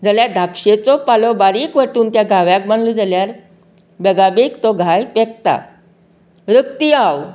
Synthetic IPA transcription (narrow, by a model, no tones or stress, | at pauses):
d͡zaljaɾd̪ʱapɕet͡sɔpalɔbaɾiːkʋəʈuːnt̪jaɡʱaʋjãk̚maɳlud͡zaljaɾ | bɛɡabekt̪ɔɡʱajpek̚t̪a̰ | ɾəkt̪iaw